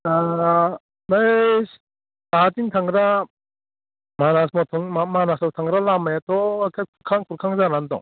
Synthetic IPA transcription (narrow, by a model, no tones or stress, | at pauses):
a | najs | taatiŋtʰaŋɡɾa | manasmɔtʰɔŋmamanasawtʰaŋɾalamajatɔkʰajkʰuɾkʰaŋkʰuɾkʰaŋzanandɔ̰ŋ